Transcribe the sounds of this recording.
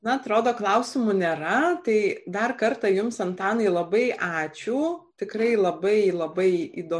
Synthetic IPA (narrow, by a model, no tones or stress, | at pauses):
nɐɐt̪ɾoːd̪oːklˠɐʊsʲɪmunʲeːɾɐt̪ɐɪd̪ɐrkɐrt̪ɐjʊmsɐnt̪ɑːnɐɪlˠɐbɐɪʔɑːt͡ʃʲuːt̪ʲɪkɾɐɪlˠɐbɐɪlˠɐbɐɪid̪oː